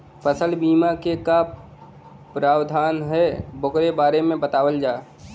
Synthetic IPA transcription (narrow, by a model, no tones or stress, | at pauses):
pəsəlbiːmakeka | pɾaːwd̪ʱaːnɦɛbokɾebaːɾemẽbət̪aːwəld͡ʒaːe